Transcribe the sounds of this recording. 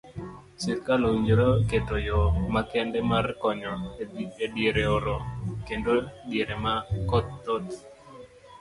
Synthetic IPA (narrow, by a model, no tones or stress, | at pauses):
sɪrkaloiɲd͡ʒɾoketojɔmakɛndɛmarkɔɲɔedieɾeoɾokendodiɾemakɔt̪ːot̪